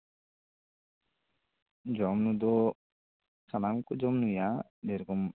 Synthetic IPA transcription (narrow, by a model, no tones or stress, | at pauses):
d͡ʒɔmnud̪ɔ | sanaŋkud͡ʒɔmnuja | d̪eɾɡɔm